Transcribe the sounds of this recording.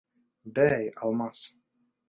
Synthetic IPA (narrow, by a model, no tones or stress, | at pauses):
bæjɑ̰lˠmɑs